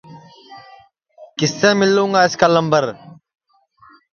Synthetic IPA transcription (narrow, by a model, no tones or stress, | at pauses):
kɪsːẽːmɪlːũːŋɡaːɪskaːləmbəɾ